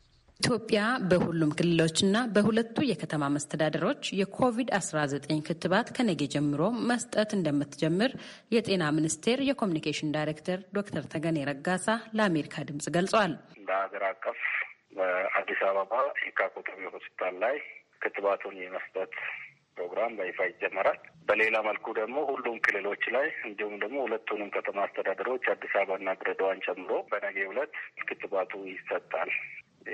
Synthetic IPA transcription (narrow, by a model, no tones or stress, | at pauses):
ʔit̪ʰjo̞pʼːjabəhulːumkʰɨlːɨlo̞t͡ʃːɨnːabəhulət̪ːujɛkʰət̪ʰəmaməst̪ʰəd̪ad̪əɾo̞t͡ʃːjɛkʰo̞vid̪asɾazət̪ʼəɲkʰɨt̪ːɨβat̪kʰənəɡed͡ʒɛmːɨɾo̞məst̪ʼət̪ɨnd̪əmːɨt̪ːd͡ʒɛmːɨɾ | jɛt̪ʼe̞namɨnɨst̪ʰe̞ɾjɛkʰo̞munikʰeʃɪnd̪ajɾekt̪ʰəɾd̪o̞k̚t̪ʰəɾt̪ʰəɡəneɾəɡasaləame̞ɾikʰad̪ɨmsʼɡəlsʼəwalɨnd̪əaɡəɾakʼːəfbəad̪ːisaβəβajɛkʰakʼot̪ʼəmehuspit̪ʰalːaj | kʰɨt̪ːβat̪ʰunjɛməst̪ʼət̪ | pɾo̞ɡɾambajɪfajɪd͡ʒːɛmːəɾalbəle̞laməlkʰud̪əɡmo̞hulːumkʰɨlːɨlo̞t͡ʃːlajɨnd̪ihumd̪əɡmo̞hulət̪ʰːunɨmkʰət̪ʰəmaːst̪ʰəd̪ad̪əɾiot͡ʃːad̪ːisaβaɨnːaɡɾəd̪əwant͡ʃʼɛmːɨɾo̞bənəɡehulət̪ːkʰɨt̪ːɨβat̪ʰujɪsːət̪ʼːal